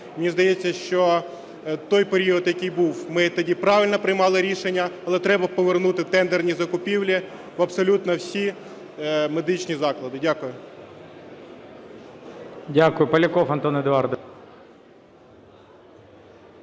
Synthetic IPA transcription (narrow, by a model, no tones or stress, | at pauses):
mnʲizd̪ɐjet͡sʲːɐʃt͡ʃɔ | t̪ɔjpeɾʲiɔd̪jɐkɪjbuwmɪt̪ɐdʲipɾɑʋʲɪlʲnɔpɾɪjmɑlˠɪɾʲiʃenʲːɐɐlˠɛt̪ɾɛbɐpɔʋernut̪ɪt̪ɛnd̪ernʲizɐkʊpʲiwlʲi | ʋɐpsɔlʲut̪nɐwsʲi | me̞d̪ɪt͡ʃnʲizɑklˠɐd̪ɪdʲakʊjʊ | dʲakʊjʊpɐlʲɪkɔfɐnt̪ɔned̪ɑrd̪ɔ